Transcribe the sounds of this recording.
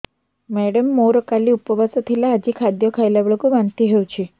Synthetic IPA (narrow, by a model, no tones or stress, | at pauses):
mɛɽəmːoɾokaliupəʋasɔt̪ʰilaːd͡ʑikʰad̪jɔkʰajlaʋəɭkuʋant̪iɦewt͡ʃʰi